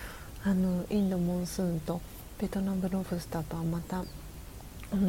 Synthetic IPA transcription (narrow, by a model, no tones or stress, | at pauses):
anoĩnd̪omõɰ̃sɨ̃ːnt̪o̞ | b̥e̞t̪o̞nãmbɯ̟ɾoɸɯ̟sɨ̥t̪apɯmat̪a | on